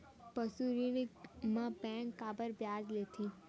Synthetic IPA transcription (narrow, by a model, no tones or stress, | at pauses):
pəsuɾinimãpɛ̃ːŋkːaːbəɾbjaːd͡ʒleːt̪ʰi